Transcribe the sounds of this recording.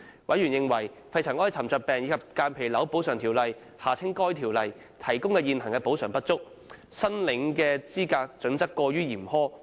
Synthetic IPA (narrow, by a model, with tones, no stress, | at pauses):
wɐ˨˥jɥyː˨˩njɪ˧ŋwɐ˨˩j | fɐ˧jt͡sʰɐ˨˩ŋɔː˥jt͡sʰɐ˨˩mt͡sœː˧t̚pɛː˨ŋjiː˨˧kʰɐ˨p̚kaː˧npʰe˨˩jlɐ˨˥wpo˨˥wsœː˨˩ŋt̪ʰiː˨˩wlɐ˨j | haː˨˩t͡sʰɪ˥ŋkɔː˥jt̪ʰiː˨˩wlɐ˨j | t̪ʰɐ˨˩jkʊ˥ŋkɛː˧jiː˧nhɐ˨˩ŋkɛː˧po˨˥wsœː˨˩ŋpɐ˥t̚t͡sʊ˥k̚ | sɐ˥nlɪ˨˥ŋkɛː˧t͡siː˥kaː˧k̚t͡sɵ˨˥nt͡sɐ˥kːɔː˧ɥyː˥jiː˨˩mhɔː˥